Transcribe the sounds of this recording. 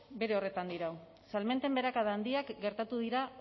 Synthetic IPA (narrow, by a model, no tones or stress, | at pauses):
be̞ɾe̞o̞re̞t̪and̪iɾaw | salme̞nt̪e̞mbe̞ɾakaðaːnd̪iakɡe̞ɾt̪at̪uð̞iɾa